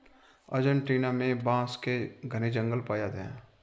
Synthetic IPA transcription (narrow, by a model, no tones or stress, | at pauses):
ə̰d͡ʒənʈɾiːnamẽbãːskeɡʱəned͡ʒə̃ŋɡəlpaːjat̪ɦɛ̰̃ː